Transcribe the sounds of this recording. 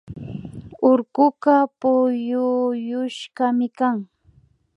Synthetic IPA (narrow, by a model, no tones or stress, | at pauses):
ʊɾkʊkapʊjʊjʊʃɢamɪkaŋ